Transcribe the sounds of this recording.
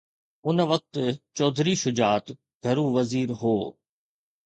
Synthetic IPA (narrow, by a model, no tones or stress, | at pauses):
ʊnʋɐk̚t̪t͡ɕɔːd̪ʱɾiʃʊd͡ʑaːt̪ | ɡʱɐɾũːʋɐziːɾɦoː